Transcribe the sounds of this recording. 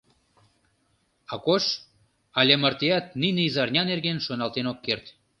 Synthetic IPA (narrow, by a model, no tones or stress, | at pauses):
ɑkoʃ | ɑlʲemərt̪eɑt̪̚nineizɑrnʲɑnerɣenʃonɑlt̪enokːert̪